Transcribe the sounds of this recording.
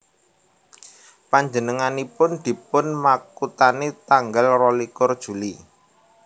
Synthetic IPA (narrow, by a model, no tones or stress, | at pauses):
paɲd͡ʒənəŋanipʊnd̪̥i̤pʊnmakut̪anet̪aŋɡalrɔlikʊrd̥ʒ̥ṳli